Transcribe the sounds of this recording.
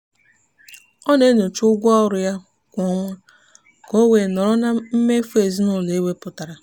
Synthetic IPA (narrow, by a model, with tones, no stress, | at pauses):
ɔ˦ne˦no˨t͡ʃʊ˦ɡʷɔ˦ɾʊ˨ja˦ | kʷɔ˦ŋʷa˦ | ko˦we˨nɔ˨ɾɔ˦na˦m̩˦me˦fe˨zi˦nʊ˦˨le˨˦we˦pʊ˨ta˨ɾa˨